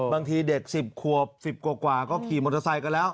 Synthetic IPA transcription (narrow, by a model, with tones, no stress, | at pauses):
baː˧ŋt̪ʰiː˧de˨˩k̚si˨˩p̚kʰu˨˩əp̚si˨˩p̚ku˨˩kwaː˨˩kɔː˥˩kʰiː˨˩mo˧nʰa˧sa˧jka˧nlɛː˦˥w